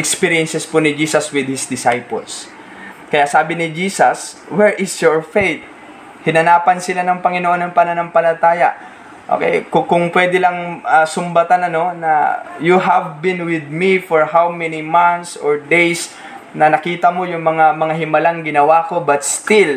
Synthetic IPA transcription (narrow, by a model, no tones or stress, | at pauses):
ʔɛkspiɹijɛnsɛspʊnɪd͡ʒiːsɐswɪd̪̚hɪsd̪ɪsajpɐ̰ls | kɐjaʔsaːbɪnɪd͡ʒiːsɐs | wɛɹʔɪsjoɹfejt̪̚ | hɪnɐnaːpɐnsɪlanɐŋpɐŋɪnoʔo̞nːɐŋpɐnanɐŋpɐlɐt̪aːjɐ | ʔo̰kɛ̰jkʊkʊŋpwɛd̪ɪlɐŋɐsʊmbɐt̪anɐno̞nɐ̰juɦɐvbɪ̃nwɪd̪̚mifɔɹhawmɛnimant̪soɹd̪ejs | nɐnɐkiːt̪ɐmo̞jʊŋmɐŋamɐŋaɦɪmɐlaŋɡɪnɐwako̞bɐt̪̚st̪ɪl